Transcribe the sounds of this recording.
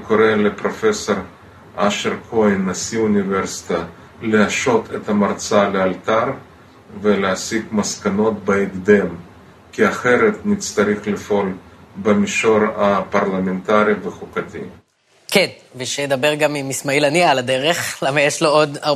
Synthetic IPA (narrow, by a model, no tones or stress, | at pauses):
koɾelepɾo̞feso̞ɾ | aʃeɾkʰoinːasiuniveɾsi̥t̪a | leaʃo̞t̪ʰet̪amaɾt͡salealt̪aɾ | veleasikmaskano̞t̪̚baiɡd̪em | kiaχeɾet̪nit̪t͡st̪aɾiχlifo̞lbemiʃo̞ɾapaɾlament̪aɾiveχukat̪ḭ | kenveʃejd̪abeʁɡamimismailanialad̪eʁeχlamajeʃlood̪a